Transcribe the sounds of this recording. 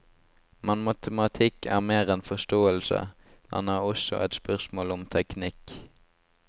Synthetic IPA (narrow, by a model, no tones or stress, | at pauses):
mɑnmɑt̪ʰəmɑt̪ʰɪkʰæ̰ːʁmeːʁɛnfɔʂt̪oːəlsə̰ | h̪ɑ̰nɑɔsɔ̰ʔɛ̰t̪spœʁsmoːlɔmt̪ʰɛknɪk